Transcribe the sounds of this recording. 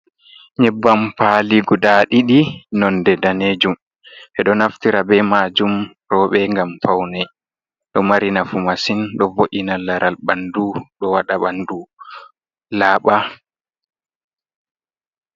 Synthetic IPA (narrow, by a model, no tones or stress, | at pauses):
ɲɛbːampaliɡudaɗiɗinɔndɛdaneːd͡ʒum | ʔɛɗɔnaftiɾabɛmaːd͡ʒum | ɾɔːɓɛŋɡamfawnɛ | ɗɔmaɾinafumasinɗɔvoʔinalaɾʔalɓanduɗɔwaɗaɓandu | laːɓa